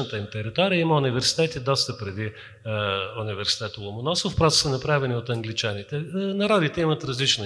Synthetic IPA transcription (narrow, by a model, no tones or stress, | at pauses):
nət̪əimt̪ɛɾit̪ɔɾiəiməʊnivɛɾsi̥t̪ɛt̪id̪ɔst̪əpɾɛd̪i | univɛɾsi̥t̪ɛt̪əlˠomʊnɔsofpɾɔ̥sənɐpɾavɛniot̪ɐŋɡlit͡ʃanit̪ɛnɐɾɔd̪it̪ɛimət̪ɾɐzlit͡ʃno